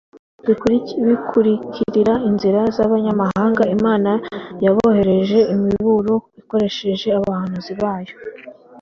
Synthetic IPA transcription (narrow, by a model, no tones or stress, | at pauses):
βikuɾiβikʰuɾicʰiɾiɾainziɾazaβaɲamaɦaːŋɡaimaːnajaβohe̞ɾe̞ʒe̞imiβuɾoiko̞ɾe̞ʃe̞ʒe̞aβahanuziβaːjo̞